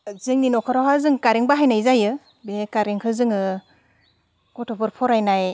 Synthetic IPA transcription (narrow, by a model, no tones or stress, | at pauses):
zɯŋninɔkʰɔɾɔɦazɯŋkaɾiŋbaɦajnajzajɯ | bekaɾeŋkʰɯzɯŋɯ | kɔtʰɔpʰɯɾpʰɔɾajnaj